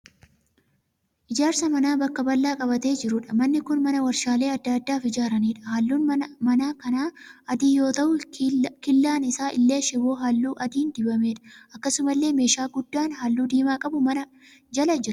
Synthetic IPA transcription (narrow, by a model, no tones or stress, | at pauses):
ʔɪd͡ʒaːɾsɐmɐnaːbɐkːɐbɐlːaːkʼɐbɐt̪e̞ːd͡ʒɪɾʊᶑɐmɐnːɪkʊnmɐnɐwɐɾʃaːle̞ːɐd̪ːɐd̪ːaːfɪd͡ʒaːɾɐniːᶑɐ̥hɐlːuːnmɐnaːkɐnaːɐd̪iːjo̞ːt̪ɐʔʊkɪlːaːnɪsaːʔɪlːe̞ːʃɪbo̞ːɦalːuːʔɐd̪iːnd̪ɪbɐme̞ːᶑɐ̥ʔɐkːɐsʊmɐlːe̞ːme̞ːʃaːɡʊd̪ːaːnɦaːlːuːd̪iːmaːkʼɐbʊmɐnɐ | d͡ʒɐlɐd͡ʒɪɾʊ̥